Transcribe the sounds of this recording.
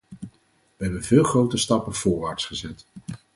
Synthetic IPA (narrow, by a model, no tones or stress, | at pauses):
ʋəɦɛbənvɪːlˠχrowtəstɑpənv̥ʊːɹʋaːɹtsχəzɛt